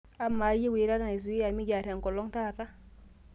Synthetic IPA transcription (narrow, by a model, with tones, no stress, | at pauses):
a˦mːa˨˦je˦wi˨˦ɾa˦ɾa˦n˨i˨s̬u˨˦i˦ja˨mi˦ɟa˨ɾa˨ŋkɔ˨lɔ˦ŋta˦˨ta˦